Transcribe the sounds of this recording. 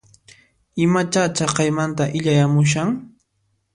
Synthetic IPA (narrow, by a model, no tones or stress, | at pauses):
ɪmat͡ʃat͡ʃɑqɑjmant̪aʔɪʎajamʊʃ̬aŋ